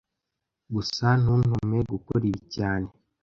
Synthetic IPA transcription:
ɡusanun̥omeɡukoɾiβicaːne̞

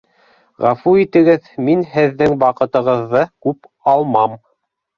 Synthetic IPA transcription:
ʁæfuit̪ɘ̆ɡɘðminhɘ̆ðːɘŋbɑqɤ̆t̪ɤ̆ʁɤ̆ðːɤkʉp | ɑlˠmɑm

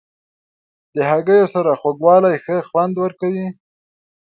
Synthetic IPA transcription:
d̪̥əɦaɡəjosaɾaxwaɡwɑlajxəxwand̪wəɾkawi

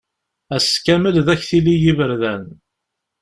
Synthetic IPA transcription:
æskæməlðæçθilijivəɾðæn

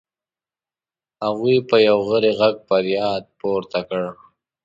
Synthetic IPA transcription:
haɣijpəjawɣəɾeɣaɡ̚pəɾjɑːd̪̚poɾt̪akəɽ

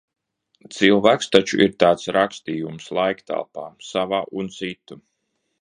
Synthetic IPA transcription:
t̪silˠvæːkst̪at͡ʃṵʔiɾt̪aːt̪sɾakst̪iːjumslˠajkt̪a̰lˠpaːsavaːʔunt̪sit̪u

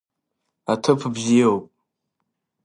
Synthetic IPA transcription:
atʰɨpʰbzijowpʼ

